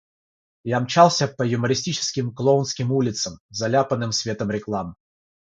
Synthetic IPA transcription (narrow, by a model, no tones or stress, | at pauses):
jamt͡ɕalˠsʲəpəjʊməɾʲɪsʲtʲit͡ɕɪ̥skʲɪmklˠounskʲɪmulʲɪt̪səmzɐlʲapənːɨmsvʲe̞t̪əmɾʲɪklˠam